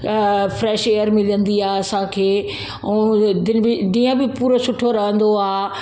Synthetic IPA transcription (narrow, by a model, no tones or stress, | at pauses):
fɾɛːʃeːjəɾmɪlə̃nd̪iaːɐsãkʰeː | ũːd̪ɪnbɪɗĩːə̃bɪpuːɾosʊʈʰoɾɐɦə̃nd̪oaː